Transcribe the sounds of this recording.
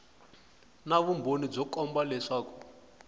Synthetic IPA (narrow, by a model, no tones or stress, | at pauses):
naβumbʱonib͡ʐɔkɔmbalɛʂaːku̥